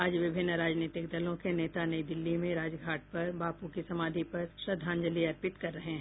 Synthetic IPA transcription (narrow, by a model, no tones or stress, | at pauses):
aːd͡ʒʋɪbʱɪnːəɾaːd͡ʒniːt̪ɪkd̪ɐlõkeneːt̪anɐid̪ɪlːimẽɾaːd͡ʒɡʱaːʈ̚pɐɾbaːpukisɐmaːd̪ʱipɐɾʃɾɐd̪ʱːãːnd͡ʒəliɐɾpɪt̪kɐɾːɐɦẽɦ